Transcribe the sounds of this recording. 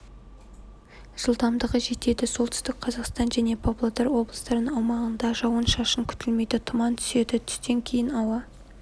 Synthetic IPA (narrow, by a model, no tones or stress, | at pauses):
ʒ̥əlˠt̪ɑmd̪əʁəʒe̞t̪e̞d̪ɪso̞lˠt̪ʰʏ̥st̪ɪk̚qʰɑzɑqst̪ɑnʒæne̞pʰoplˠot̪ɑɾwo̞blˠə̥st̪ɑɾnəŋɑwmɑʁənd̪ɑʒɑwənʃɑʃəŋkʲʰʏ̥t̪ɪlme̞jd̪ɪt̪ʰʊmɑnt̪ʰʏ̥se̞d̪ɪt̪ʰʏ̥st̪e̞ŋkʲʰe̞jɪnɑwɑ